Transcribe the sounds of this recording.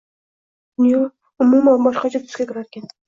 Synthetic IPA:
nijo | ʊmumanbɒʃqɑt͡ʃʰaɾt̪ʰʊ̥skʲakʰʲɪɾaɾkʲʰan

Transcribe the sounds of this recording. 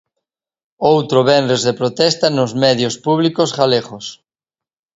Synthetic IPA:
owt̪ɾoβɛnrezðepɾot̪ɛst̪anozmɛðjospuβ̞likosɣaleɣos

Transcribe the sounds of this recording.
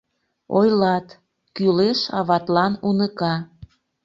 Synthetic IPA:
ojlɑt̪ | kyleʃɑβɑt̪lɑnunəkɑ

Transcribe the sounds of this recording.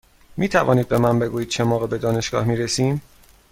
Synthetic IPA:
miːt̪ʰævɒ̰ːniːd̪̚be̞mænbe̞ɡuːjiːd̪̚t͡ʃʰe̞mɒːɣebe̞d̪ɒːne̞ʃɡ̥ɒ̰ːhmiːɾesiːm

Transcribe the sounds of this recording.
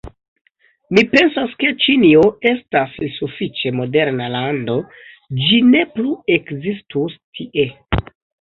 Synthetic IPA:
mipe̞nsaske̞t͡ʃinioe̞stasːufit͡ʃe̞mo̞de̞ɾnalando̞ | d͡ʒine̞plue̞kzistustʰiʔe

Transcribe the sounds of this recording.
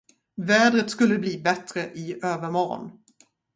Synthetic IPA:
væːd̪ɾət̪skɵlːəbliːbɛt̪ɾəʔɪøːvəɾmɔɾɔ̰n

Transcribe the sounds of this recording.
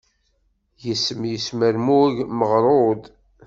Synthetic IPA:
jəsːəmjəsməɾmuæɡməʁɾˤod̪

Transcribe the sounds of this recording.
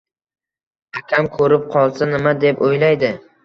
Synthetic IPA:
akʲʰamkʰɵɾɪp̚qʰɒlˠsanɪmad̪epojlajd̪ɪ

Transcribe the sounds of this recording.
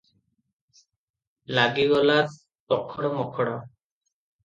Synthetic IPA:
laɡiɡɔlat̪ | pɔkʰɔɽɔmɔkʰɔɽɔ

